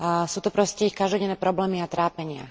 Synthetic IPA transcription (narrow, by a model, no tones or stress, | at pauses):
suːt̪ɔpɾɔscɛixkaʒd̪ɔɟɛnːɛːpɾɔblɛːmiat̪ɾaːpɛɲɪa̰